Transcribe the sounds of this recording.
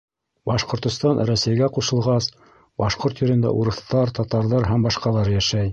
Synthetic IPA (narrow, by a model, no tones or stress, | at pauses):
bɑʃqŏɾt̪ŏst̪ɑnɾæsæjɡæquʃɤ̆lˠʁɑs | bɑʃqoɾt̪jɵ̆ɾɘ̆nd̪æ̰ʔuɾɤ̆θt̪ɑɾt̪ɑt̪ɑɾðɑɾɦæmbɑʃqɑlˠɑɾjæʃæj